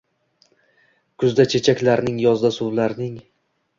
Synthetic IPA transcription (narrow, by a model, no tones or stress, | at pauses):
kʰʊzd̪at͡ʃʰe̞t͡ʃʰakʲlaɾnɪŋjɒzd̪asʊwlaɾnɪŋ